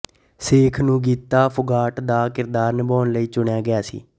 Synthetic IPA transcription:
seːkʰnũːɡiːt̪ːaːpʰʊɡaːʈd̪aːkɪɾd̪aːɾnəbaːnləiːt͡ʃʊɳjaːɡɪaːsḭː

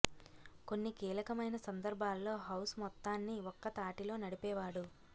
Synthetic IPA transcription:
ko̞nːikiːlɐkɐmɐjnɐsɐnd̪ɐɾbʱaːlːo̞ːɦɐwsmɔt̪ːaːnːiɔkːɐt̪aːʈilo̞ːnɐɽipɛːʋaːɽu

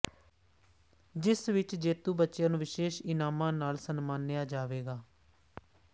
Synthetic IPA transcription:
d͡ʒɪsʋɪt͡ʃd͡ʒeːt̪uːbətːʃjãːnũːʋɪʃeːʃɪnaːmãːnaːlsənmaːnːɪjaːd͡ʒaːʋeːɡaː

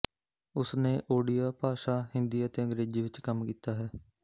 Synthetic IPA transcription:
ʊsneːʔoːɖijaːpaːʃaːhɪ̃nd̪iːət̪eːə̃ŋɡɾeːziːʋɪt͡ʃkəmkiːt̪aːɦɛː

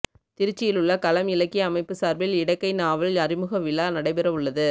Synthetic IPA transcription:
t̪ɪɾɪt͡ʃːɪjɪlɯɭːɐkɐlɐmɪlɐkːɪɐmɐɪpːɯsaːɾbɪlɪɽɐkːɐɪnaːʋɐlɐɾɪmɯɣɐʋɪlaːnɐɽɐɪpɛɾɐʋɯɭːɐðɯ

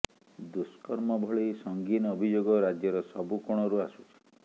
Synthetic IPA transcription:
d̪uskɔɾmɔbʱɔɭejsɔŋɡinɔbʱid͡ʒoɡɔɾad͡ʒjɔɾɔsɔbukɔɽ̃ɔɾuasu̥t͡ʃʰi̥

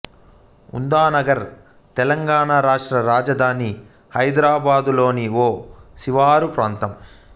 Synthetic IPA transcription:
ṵnd̪aːnɐɡɐɾ | t̪ɛlɐŋɡaːɳaːɾaːʂʈɾɐɾaːd͡ʒɐd̪ʱaːni | hɐjd̪ɾaːbaːd̪ulo̞ːniʋoːsiʋaːɾupɾaːnt̪ɐm

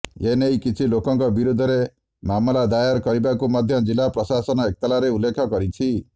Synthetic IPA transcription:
enejkit͡ʃʰilokɔŋkɔbiɾud̪ʱɔɾe | mamɔlad̪ajaɾkɔɾibakumɔd̪ʱjɔd͡ʒilapɾɔsasɔnɔek̚t̪alaɾeulːekʰɔkɔɾit͡ʃʰi

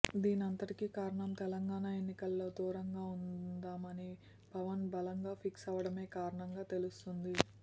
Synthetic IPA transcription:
d̪iːniɐnt̪ɐʈikikaːɾɐɳɐmt̪ɛlɐŋɡaːɳaːe̞nːikɐlːo̞ːd̪uːɾɐŋɡaːund̪aːmɐni | pɐʋɐnbɐlɐŋɡaːpʰiksɐʋɐɽɐme̞ːkaːɾɐɳɐŋɡaːt̪e̞lust̪und̪i

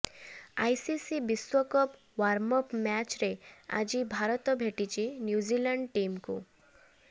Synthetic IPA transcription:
ajsisibiswɔkɔp | ʋaɾmɔpmɛt͡ɕɾea̰d͡ʑibʱaɾɔt̪ɔbʱeʈit͡ɕinjud͡ʒilaɳɖʈimkṵ

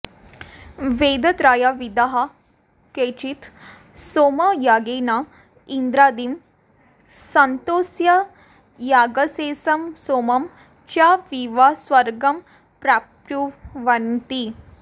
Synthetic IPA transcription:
ʋeːd̪ɐt̪ɾaːjaʋid̪ɐɦɐ̆ | keːt͡ʃit̪ | soːmɐjaːɡeːna | ind̪ɾaːd̪im | sɐnt̪oːsjɐ | jaːɡɐseːsɐmsoːmɐm | t͡ʃaːʋiʋasʋɐɾɡɐm | pɾaːpɾuʋɐnt̪i

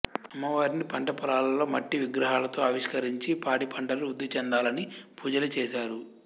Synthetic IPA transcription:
ɐmːɐʋaːɾinipɐɳʈɐpɐɾaːlɐlo̞ːmɐʈːiʋiɡɾɐɦaːlɐt̪o̞ːɐʋiʂkɐɾiɲt͡ʃipaːɽipʰɐɳʈɐluːd̪ːit͡ʃɛnd̪aːlɐnipuːd͡ʒɐlɐt͡ʃeːʃaːɾu

